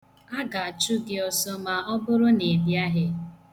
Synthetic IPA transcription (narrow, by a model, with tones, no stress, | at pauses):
a˦ɡa˨a˨t͡ʃu˦ɡɪ˦ɔ˨sɔ˦ma˨ɔ˦bʊ˦ɾʊ˦ne˨bja˦ɦɪ˦